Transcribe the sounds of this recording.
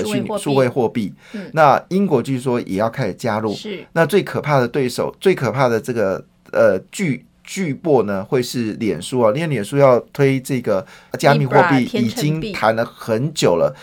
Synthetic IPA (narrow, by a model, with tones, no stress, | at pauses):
y˥˧ʂu˥˧xwe˥˧ɪxwɔ˥˧pi˥˩ | na˥˨i˥ŋkwɔ˧˥t͡ɕjo˥˧ʂ̩˥˩ʂwɔ˥jʔɛ̰˨˩jɑ˥˧ʊkʰa˥ɪ˨˩t͡ɕja˥ɻu˥˩na˥˧t͡swe˥˩ɪkʰɤ˨˩pʰa˥˩d̪ə˩t̪we˥˩ɪʂo˨˩˦ʊt͡swe˥˩ɪkʰɤ˨˩pʰa˥˩d̪ə˩ʈ͡ʂɤ˥˩ɡə˩ | ə˧t͡ɕy˥˧ | t͡ɕy˥˧pwɔ˥˩nə˩xwe˥˧ɪʂɻ̩˥˩ljɛ˨˩nʂu˥ɐ˨li˥˧˥ljɛ˨˩nʂu˥jɑ˥˧ʊt̪ʰwe˥ɪʈ͡ʂɤ˥˩ɡə˩t͡ɕja˥mi˨˧xwɔ˥˧pi˥˩i˥˨˩t͡ɕi˥ŋt̪ʰa˧˥nlə˧xə˧˦nt͡ɕjo˨˩ʊlə̰˦